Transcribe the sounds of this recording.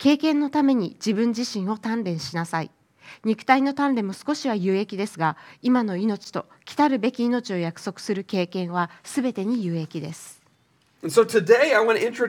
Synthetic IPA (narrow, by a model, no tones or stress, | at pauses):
ke̞ːkẽ̞nːo̞t̪ame̞ɲ̟id͡ʑibɯ̟̃ɲ̟d͡ʑiɕĩɰ̃o̞t̪ãnɾẽ̞ɰ̃ɕinasaḭ | ɲ̟ikɯ̟̥t̪aino̞t̪ãnɾẽ̞mo̞sɨ̥ko̞ɕiβ̞ajɯ̟ːe̞kʲid̪e̞sɨɡaimano̞ino̞t͡ɕi̥t̪o̞̰kʲi̥t̪aɾɯ̟be̞kʲiːno̞t͡ɕio̞jakɯ̟̥so̞kɯ̟̥sɨɾɯ̟ke̞ːkẽ̞ɰ̃β̞asɨbe̞t̪e̞ɲ̟ijɯ̟ːe̞kʲid̪e̞sɨ̥̃ | nsoʊtʰɨdeɪaɪwɑ̃nɪ̃nt͡ʃɨ